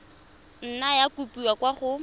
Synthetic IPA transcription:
n̩najakupiwakʼwaχʊ

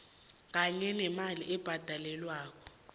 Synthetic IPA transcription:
k̬aɲɛnɛmaliʔɛb̥ʱad̥ʱalɛlwaːk̬ɔ

